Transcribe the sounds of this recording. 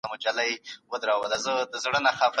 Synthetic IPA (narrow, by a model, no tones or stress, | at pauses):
amʊd͡ʒalajewəd̪ɾɑwəlazəd̪əzɽənaxɑf